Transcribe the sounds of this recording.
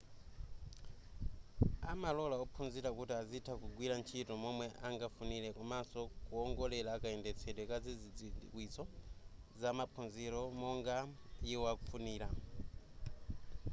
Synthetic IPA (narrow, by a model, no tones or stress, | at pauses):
amalɔlaɔpʰund͡ziɾakutiazitʰakuɡwiɾant͡ʃʰitɔmɔmwɛʔaŋɡafunilɛkumasɔkuɔŋɡɔlɛlaːkaɛndɛt͡sʰɛɗwɛkad͡zid͡zid͡ziwisɔzamapʰunziɾɔmɔŋɡajiwakufuniːla